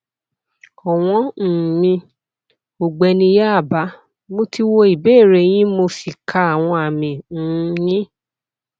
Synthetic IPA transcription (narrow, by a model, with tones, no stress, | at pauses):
ɔ˨w̃ɔ̃˦n̩˨mĩ˧ | o˨ɡ͡bɛ˧nĩ˧ja˦a˦˨ba˨˦ | mo˦ti˦wo˧i˨beː˦˨ɾe˨˦j̃ĩ˦mo˧fi˨kʰa˧a˨w̃ɔ̃˧a˨mĩ˨n̩˨˦jĩ˦